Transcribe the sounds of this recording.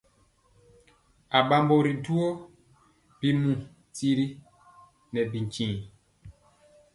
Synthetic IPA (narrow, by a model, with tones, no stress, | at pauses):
a˨ɓa˦mbo˨ɾi˨tu˦o˦ | b̥i˦˨mũ˨ | ti˦ɾi˦ | nɛ˨bi˨ɲ˨t͡ʃĩː˨